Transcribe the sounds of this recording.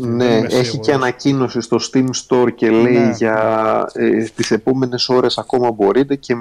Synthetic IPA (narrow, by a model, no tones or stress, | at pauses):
ne̞e̞çice̞ɐnɐcino̞sist̪o̞st̪imst̪o̞ɾce̞le̞iʝɐet̪ise̞po̞me̞ne̞so̞ɾe̞sɐko̞mɐbo̞ɾit̪e̞ce̞